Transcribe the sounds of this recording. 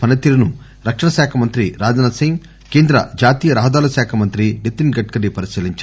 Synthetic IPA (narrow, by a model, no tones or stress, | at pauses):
pɐnɐt̪ːilɐnu | ɾɐkʂɐɳɐʃaːkʰɐmɐnt̪ɾiɾaːd͡ʒɐnɐsiŋɡ | keːnd̪ɾɐ̰d͡ʒaːt̪iːjɐɾaːɦɐd̪aːlɐʃaːkʰɐmɐnt̪ɾiɖit̪ːinɡɐʈ̚kɐɽipɐɾiʃiːliɲt͡ʃ